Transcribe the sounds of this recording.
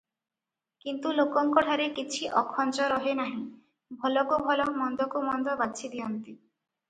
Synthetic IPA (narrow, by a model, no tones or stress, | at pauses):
kint̪ulokɔŋkɔʈʰaɾekit͡ʃʰiʔɔkʰːɔnt͡ʃɔɾɔɦenaɦĩ | bʱɔlɔkobʱɔlɔmɔnd̪ɔkomɔnd̪ɔbat͡ʃʰid̪iɔnt̪i